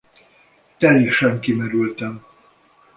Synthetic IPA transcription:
t̪ɛliʃɛmkimɛɾylt̪ɛm

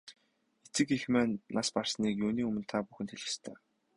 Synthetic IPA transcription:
et͡sɘ̆kixmæːnːaspar̥sniːkjuːniːɵmɵ̆nt̪ʰapuxɘ̆t̪ʰxeɮɪ̆st̪ʰœː

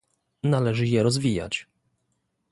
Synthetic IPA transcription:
nalɛʐɘjɛɾɔzvʲija̰t͡ɕ

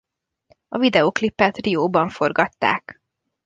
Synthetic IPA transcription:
ɒvid̪ɛoːklipːɛt̪rijoːbɒɱfo̞rɡɒt̪ːa̰ːk

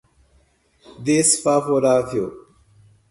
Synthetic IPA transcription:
d̪esfaːfoɾaːfʰjo̰

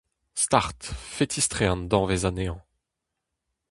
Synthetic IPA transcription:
st̪aʁt̪fet̪ʰist̪χend̪ɔ̃ʁvezaneɑ̃

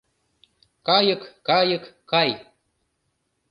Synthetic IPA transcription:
kɑjɤkːɑjɤkːɑj

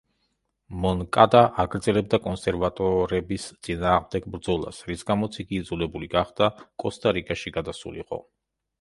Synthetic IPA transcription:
mɔnkʼad̪aʔaɡɾd̪zɛlɛb̚d̪akʼɔnsɛɾvat̪ʼɔɾɛbist̪sʼinaːʁmd̪ɛɡbɾd̪zɔlˠa̰sɾisɡamɔt̪sʰiɡiːd̪zulɛbuliɡaχd̪akʼɔst̪ʼaɾikʼaʃiɡad̪asṵlḭqʼɔ̰

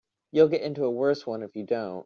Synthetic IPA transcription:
julˠɡɛɾɪ̃ntuəwɜ˞swʌ̃nɨfjɨdõʊ̃nt̚

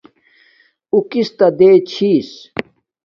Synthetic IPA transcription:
ukist̪ɐd̪eːt͡ɕʰiːs

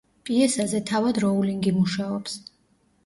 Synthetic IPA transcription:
pʼiɛsazɛt̪ʰavad̪ɾɔuliŋɡimuʃaɔps

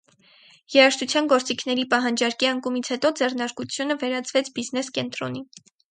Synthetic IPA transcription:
jɛɾɑʃt̪ʰut͡sʰjɑnɡɔɾt͡sikʰn̪ɛɾipɑɦɑnd͡ʒɑɾkiəŋkumit͡sʰhɛt̪ɔd͡zɛrnɑɾkut͡sʰjunəvɛɾɑt͡sʰvɛt͡sʰbiznɛskɛnt̪ɾɔ̰ni

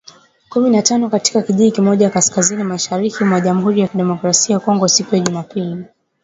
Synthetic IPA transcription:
kuminatanɔkati̥kakiʄiikimɔʄakaskazinimaʃaɾikimwaʄamuɦuɾijakiɗɛmɔkɾasiajakɔŋɡɔsikujaʄumapili

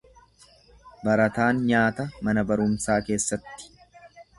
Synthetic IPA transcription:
bɐɾɐt̪aːnɲaːt̪ɐmɐnɐbɐɾʊmsaːke̞ːsːɐt̪ːɪ̥

